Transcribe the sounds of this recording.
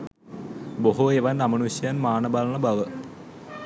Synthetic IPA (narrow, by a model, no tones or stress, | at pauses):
boɦueʋɐnɐmɐnusjanmaːɳɐbaːlɐɳɐbɐʋə